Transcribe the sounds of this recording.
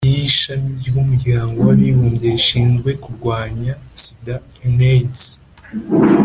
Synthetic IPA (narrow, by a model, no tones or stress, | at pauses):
jiʃamiɾjumuɾɟaːŋɡo̞waɾiβoːmɟeɾiʃiːnzɡwe̞kuɾɡwaːɲasida | ines